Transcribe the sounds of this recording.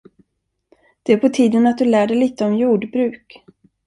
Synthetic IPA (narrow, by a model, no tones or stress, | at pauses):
d̪̥ɛæɾpʰɔt̪ʰiːd̪ənat̪̚d̪ɵlæːɖɛjliːt̪əɔmjuːɖbɾʉ̟ːk